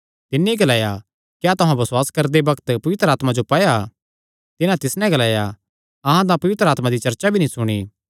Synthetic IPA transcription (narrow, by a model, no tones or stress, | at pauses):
t̪ɪnːiɡɐlaːja | kjat̪ʊɦãbɐswaːskɐɾd̪ebɐkt̪pɐʋɪt̪ɾəaːt̪mad͡ʒopɐːja | t̪ɪnãt̪ɪsnɛ̃ɡɐlaːja | ɐɦãt̪̬ãpɐʋɪt̪ɾaːt̪mãd̪it͡ʃɐɾt͡ʃabʱinĩsʊɽ̃iː